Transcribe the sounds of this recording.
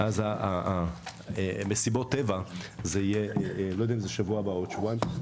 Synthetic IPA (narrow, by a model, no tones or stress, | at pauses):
ʔazaaa | mesibo̞t̪ːevazeijelojd̪eaimzeʃavuabaot̪ʃvuajm